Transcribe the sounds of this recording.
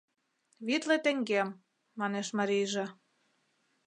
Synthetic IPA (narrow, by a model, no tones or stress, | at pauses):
βit̪let̪ĕŋɡemː | ɑneʃmɑɾijʒe